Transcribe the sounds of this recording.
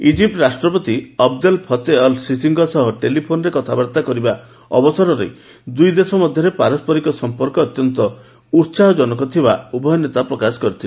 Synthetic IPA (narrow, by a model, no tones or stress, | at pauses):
id͡ʒip̚ʈɾasʈɾɔpɔt̪iɔbd̪ɔlpʰɔt̪eɔlsisiŋɡɔsɔɦɔʈelipʰonɔɾekɔt̪ʰabaɾt̪akɔɾiba | ɔ̰bɔsɔɾɔɾḛ | d̪ujd̪esɔmɔd̪ʱjɔɾepaɾɔspɔɾikɔsɔmpɔɾkɔːt̪jɔnt̪ɔ | uɾsaɦɔd͡ʒɔnɔkɔt̪ʰibaubʱɔjɔnet̪apɾɔkasɔ̥kɔɾit̪ʰil